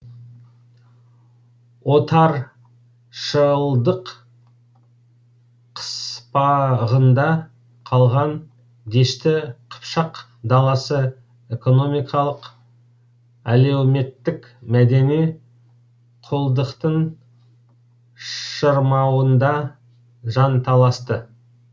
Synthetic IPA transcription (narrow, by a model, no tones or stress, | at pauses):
wo̞t̪ɑɾ | ʃəlˠd̪əq | qʰə̥spɑʁənd̪ɑ | qʰɑlˠʁɑn | d̪e̞ʃt̪ɪqʰə̥pʃɑq | d̪ɑlˠɑsə | e̞ko̞no̞mijkʰɑlˠəq | ælewme̞t̪ːɪk | mæd̪e̞nij | qʰolˠd̪əqt̪əɴ | ʃəɾmɑwənd̪ɑ | ʒɑnt̪ʰɑlˠɑst̪ə